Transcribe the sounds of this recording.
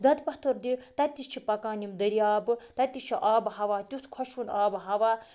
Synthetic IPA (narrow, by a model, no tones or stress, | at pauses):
d̪ɐd̪pɐht̪ɨɾd̪iɾt̪ɐt̪ʲːit͡ʃʰipɐkaːnimd̪ɐɾijaːbɨt̪ɐt̪ʲːit͡ʃʰiʔaːbɦɐʋaːt̪ʲut̪ʰkʰɔʃunaːbɦɐʋaː